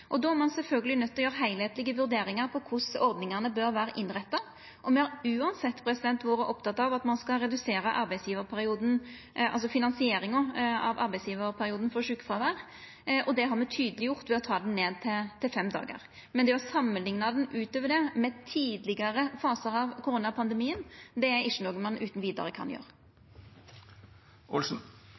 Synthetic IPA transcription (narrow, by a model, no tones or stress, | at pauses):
ʔɔd̪oːæɾmɑnsɛlfœlɡəlɪnœt̪ːɔjøːɾəɦæɪlheːt̪lɪɡəʋʉɾd̪eːɾɪŋəɾpʰɔkʰʊsɔɾd̪nɪŋənəbøɾʋæːɾəʔɪnːɾɛt̪ːɑ | ʔɔmɛhɑɾʉːɑnsɛt̪ːpʰɾɛsɪd̪ɛnt̪ːʋoːɾəʔɔpt̪ɑt̪ːɑʋɑt̪mɑnskɑɾɛd̪ʉseːɾəʔɑɾbæɪsjiːʋəɾpʰæɾɪuːd̪n̩ | ʔɑ̰lsɔfɪnɑnsɪeːɾɪŋɑɑ̰ʋɑɾbæɪsjiːʋəɾpʰæɾɪuːd̪n̩fɔɾʂʉːkːfʁɑʋæːɾ | ʔɔd̪ɛɦɑɾmɛt̪ʰyːd̪əlɪjʊʁt̪ʋɛɔt̪ʰɑːd̪n̩neːd̪̚t̪ʰɪlt̪ʰɪlfɛmd̪ɑ̰ːɡə̰ɾ | mɛnd̪ɛɑsɑmːənlɪŋnɑd̪ɛnʔʉːt̪øːʋəɖɛmɛt̪ʰiːd̪lɪɡəɾəfɑːsəɾɑʋkʰʊɾuːnɑpʰɑnd̪ɛmiːənd̪ɛæɪʂːənɔɡənmɑnʉːt̪n̩ʋiːd̪ɑ̰ɾəkʰɑ̰njø̰ːɾ | ɔlsn̩